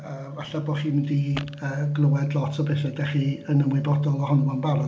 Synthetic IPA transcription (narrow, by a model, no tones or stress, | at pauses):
əːvaɬabɔːχiːmdiəːɡlˠʊwɛdlˠɔtʰɔbɛθɛdɛχiənəmwɪbɔdɔlˠɔhʊnuənbaɾɔ